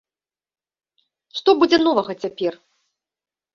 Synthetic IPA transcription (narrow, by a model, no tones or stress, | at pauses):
ʂt̪ɔbud͡zʲɛnɔvɐɣɐt͡sʲapʲɛr